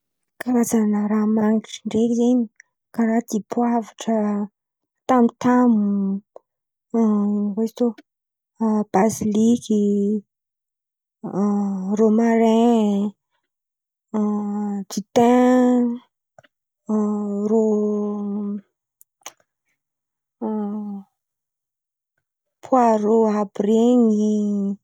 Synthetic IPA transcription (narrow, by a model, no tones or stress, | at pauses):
kaɾazanəɾamaŋiʈ͡ʂiɳɖ͡ʐekizeɲi̥ | kaɾad̪ipwavaʈ͡ʂə | t̪amit̪amu | iwet̪o | b̥aziliki | ɾomaɾɛ̃ | d͡ʒit̪ɛ̃ | ɾo | pʰwaɾoɦabɾeŋi